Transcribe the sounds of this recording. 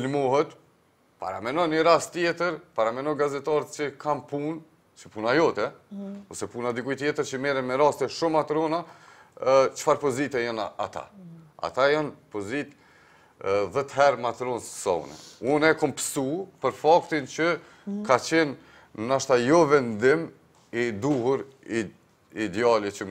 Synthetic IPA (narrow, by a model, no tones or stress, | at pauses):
ilmɔɦɛt̪ | pa̰ɾa̰mɛnɔjnəɾast̪ːjɛt̪əɾpaɾamɛnɔɡazɛt̪ɑɾət̪t͡ʃəkʰampun | t͡ʃəpunajɔt̪ɛɔsɛpunad̪ikujt̪jɛt̪əɾt͡ɕəmɛɾɛnmɛɾast̪ɛʃumat̪ɾɔna | t͡ʃə̥faɾpɔzit̪ɛjanaa̰t̪a̰a̰t̪ajanpɔzit̪ | ðɛt̪ɦɛɾmat̪ɾɔnssa̰ṵnɛ̰unɛkɔmpə̥supəɾfakt̪int͡ɕə | kat͡ɕɛn | naʃt̪ajɔvɛnd̪im | id̪uhuɾ | id̪ɛɑlit͡ɕə